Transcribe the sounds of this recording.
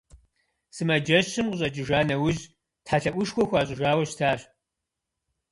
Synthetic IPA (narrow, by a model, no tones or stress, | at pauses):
sɨmɐd͡ʒɐɕɨmqɕʼɐt͡ʃʼɪʒaːnɐwʊʑ | tħaːɬɐʔʷʊʃxʷɔxʷaːɕʼɪʒaːwɐɕtʰaːɕ